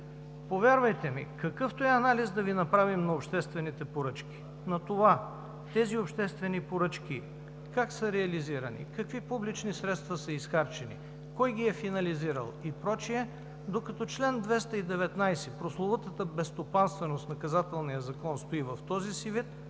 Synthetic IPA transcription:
povʲjaɾvɐjt̪ɛmḭkɐkɤft̪oɛɐnalizd̪ɐvinɐpɾavimnɐopʃt̪ɛst̪vɛnit̪ɛpoɾɤt͡ʃkʲi̥ | nɐt̪ova | t̪ɛziopʃt̪ɛst̪vɛnipoɾɤt͡ʃk̟ʲi | kaksəɾɛɐliziɾə̰nḭkɐkvipublit͡ʃnisɾɛt̪st̪vɐsəisxaɾt͡ʃɛnḭ | kɔjɡ̟iɛfinɐliziɾə̰lˠipɾɔt͡ʃiɛ | d̪okɐt̪ɔt͡ʃlɛnd̪vɛst̪əid̪ɛvɛt̪najsɛpɾoslˠovət̪ət̪əbɛst̪opanst̪vɛnost̪nɐkɐzat̪ɛlˠnijəzɐkɔnst̪oivɐft̪ɔzisivit̪

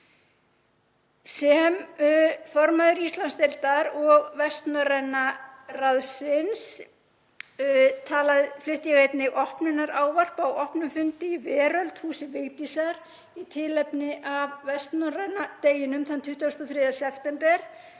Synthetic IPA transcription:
sɛm | fɔɾmaðʏɾist̪lanst̪ɛlt̪aɾɔɣvɛst̪nɔɾɛnːaraðsɪns | t̪ʰaːlaðɪflɪht̪jaɣejt̪nɪʔɔhpnɪnːaɾaːwvar̥pawɔhpnʏmfʏnt̪ɪivɛːɾœlt̪huːsɪvɪɣt̪isaɾ | it̪ʰɪlɛpnɪʔavvɛst̪nɔrɛnːat̪eːjɪnʏmθant̪ʰʏht̪ːast̪ɔθɾɪːðasɛft̪ɛmpɛɾ̥

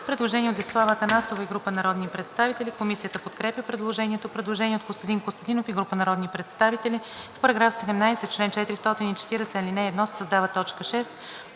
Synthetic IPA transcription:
pɾɛd̪lˠoʒɛniɛotd̪islˠavət̪ənasovəiɡɾupənɐɾɔd̪nipɾɛt̪st̪avit̪ɛlʲikomisijət̪əpot̪kɾɛpʲjəpɾɛd̪lˠoʒɛniɛt̪opɾɛd̪lˠoʒɛniɛot̪kost̪ɐd̪inkost̪ɐd̪inofiɡɾupənɐɾɔd̪nipɾɛt̪st̪avit̪ɛli | fpɐɾɐɡɾafsɛd̪ɛmnajsɛt͡ʃlɛnt͡ʃɛt̪ɾist̪ɔt̪init͡ʃɛ̥t̪iɾɛsɛilinɛːd̪nɔssəzd̪avət̪ɔt͡ʃkəʃɛst̪

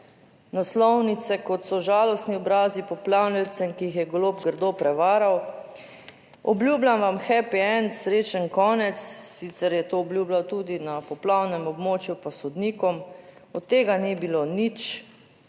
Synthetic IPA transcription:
naslɔwnit̪sɛkɔt̪sɔʒaːlɔst̪niɔbɾaːzipɔplawnilt̪sɛmkijixjɛɡloːpɡəɾd̪opɾɛʋaːɾaw | ɔblʲjuːblamʋamxɛpɛɛnsɾeːt͡ʃənkɔːnɛt̪sːit̪sɛɾjɛt̪oɔblʲjuːblawt̪uːd̪inapɔplawnɛmɔbmoːt͡ʃjupasɔd̪niːkɔmɔt̪ːeːɡanibilonit͡ʃ

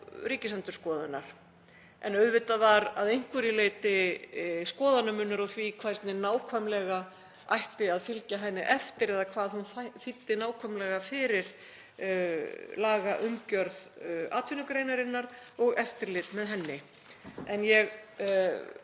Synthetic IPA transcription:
ɾiːcɪsant̪ʏɾ̥skɔːðʏnaɾ̥ | ɛ̰nœɥðvɪt̪avaɾaðejŋ̥kvʏɾɪleːjt̪ɪ | skɔːðanːʏmʏnːʏɾɔɣθvikʰvajst̪nɪnaːwkʰvamlɛɣa | ajht̪ɪaðfɪlcaɦɛnːɪʔɛft̪ɪɾɛðakʰvaːðhunffɪt̪ːɪnaːwkʰvamlɛɣafɪɾɪɾ̥ | laːɣaʔʏmcœɾða̰ːt̪ʰvɪnʏkɾejnaɾɪnːaɾɔɣɛft̪ɪɾlɪt̪mɛðɦɛnːɪ | ɛnjɛɣ

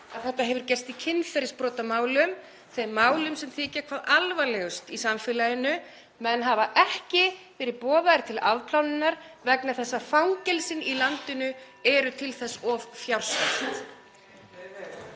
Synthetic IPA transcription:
aðθɛht̪ːaɦɛvʏɾ̥cɛrst̪icʰɪnːfɛɾɪspɾɔːt̪amaːwlʏm | θejmaːwlʏmsɛmθɪːcakʰvaːðalvalɛɣʏst̪isamfɪːlajɪnʏ | mɛnɦavaʔɛhcɪvɛːɾɪpɔːðaɾt̪ʰɪlaðpʰlawnɪnːaɾ̥vɛknaθɛsːafawŋcɛlsɪnilant̪ɪnʏ | ɛɾʏt̪ʰɪlθɛsːɔvfjawr̥sast̪

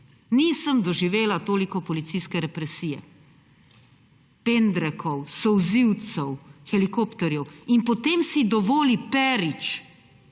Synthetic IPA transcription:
niːsəmd̪ɔʒiʋeːlat̪oːlikɔpɔlit̪sijskɛɾɛpɾɛsiːjɛ̰ | pend̪ɾɛkʰɔwsɔwziwt̪sɛwxɛlikoːpt̪ɔɾjɛwinpɔt̪eːmsid̪ɔʋoːlipɛɾit͡ʃ

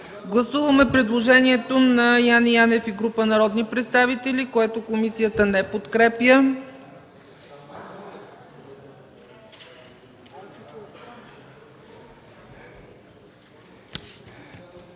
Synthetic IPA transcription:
ɡlˠɐsuvəmɛpɾɛd̪lˠoʒɛniɛt̪onɐjanianɛfiɡɾupənɐɾɔd̪nipɾɛt̪st̪avit̪ɛlikoɛt̪okomisijət̪ənɛpot̪kɾɛpjə

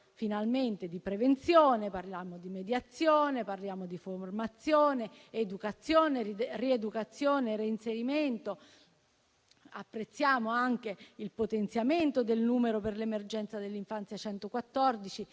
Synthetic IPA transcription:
finalment̪ed̪ipɾevent̪sjoːneparljaːmod̪imed̪jat̪sːjoːneparljaːmod̪iformat̪sːjoːneːd̪ukat̪sːjoːneried̪ukat̪sːjoːneriinseɾiment̪o | apːɾet̪sːjaːmoaŋk̟eilpot̪ent̪sjament̪od̪elnuːmeɾoperlemerd͡ʒɛnt̪sad̪elːiɱfant̪sjat͡ʃɛnt̪okwat̪ːɔrd̪it͡ʃi

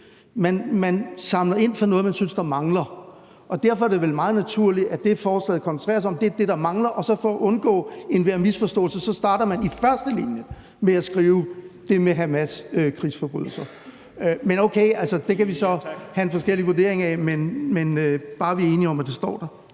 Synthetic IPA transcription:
mænmænsɑ̈mlɐe̝n̰fɒ̽nɔ̽ːð̞̩ˠmænsynsd̥ɑ̈mɑ̈ŋlɐ | ʔɒ̽d̥æɐ̰fɒæɐɾ̥e̝ʋelmɑ̈ːð̞̩ˠnæt͡sʰuɐ̰liæd̥e̝fɒːslɛ̰ɪðˠkʰɒnsən̩ʰʁɛ̰ːɐs̬aɒ̽md̥eæɐd̥e̝ɾɑ̈mɑ̈ŋlɐʔɒ̽sɒ̽fɒːʔɔ̽nɡ̥ɔ̰̽ːe̝nʋæɐ̰misfɒ̽sd̥ɔ̰̽ːlsəsɒ̽sd̥ɑ̈ːɾɐmænifɶɐsd̥əlḭnjə | meæsɡ̥ʁiːʊd̥e̝meɦæmæsøkʰʁḭːsfɒ̽b̥ʁy̰ðˠl̩sɐ | ømenoʊkʰeɪʔælsɐd̥e̝kæʋisɒ̽hæe̝nfɒ̽sɡ̥el̰iʋuɐde̝ɐ̰e̝ŋɛmenmenøb̥ɑ̈ːʋiɐe̝ːniɒ̽mæd̥e̝sd̥ɒ̰ːd̥ɑ̈

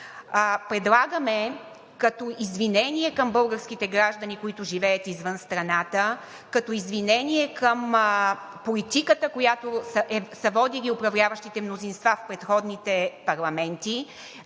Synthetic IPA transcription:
pɾɛd̪lˠaɡəmɛ | kɐt̪ɔizvinɛnʲiɛkəmbɤlˠɡəɾsk̟it̪ɛɡɾaʒd̪ɐnikoit̪ʊʒivɛət̪izvənst̪ɾɐnat̪ə | kɐt̪ɔizvinɛniɛkʰəm | polit̪ikət̪əkojat̪osəɛsɐvɔd̪iliʊpɾɐvlʲavəʃt̪it̪ɛmnozinst̪vafpɾɛt̪xɔd̪nit̪ɛpɐɾlˠɐmɛnt̪i

